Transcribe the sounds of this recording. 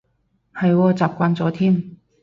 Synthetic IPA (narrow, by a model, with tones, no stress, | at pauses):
hɐ˨jwɔː˧t͡saː˨˩p̚kʷaː˧nt͡sɔː˨˥t̪ʰiː˥˩m